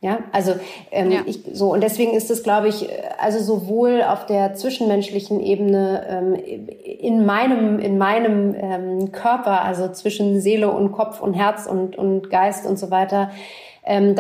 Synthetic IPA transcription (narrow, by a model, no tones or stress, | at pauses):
jaːʔalzo | ʔɛːmʔɪçzoːʊntd̥ɛsv̥eːɡŋ̩ɪstd̥asɡ̥laʊbəɪçɛ̰ʔa̰lzozovoːla̰ʊfd̥eːɐt͡sv̥ɪʃn̩mɛnʃlɪçn̩ʔeːbənəʔɛːm | ɪnmaɪnəmʔɪ̰nmaɪnəmʔɛːmkʰœɐpɐʔa̰lzot͡sv̥ɪʃn̩zeːləʔʊ̰nt̚kʰɔpfʊ̰ntɦɛɐt͡sʊ̰ntʊ̰ntɡ̥aɪstʊ̰ntz̥ovaɪtɐ | ʔɛːmd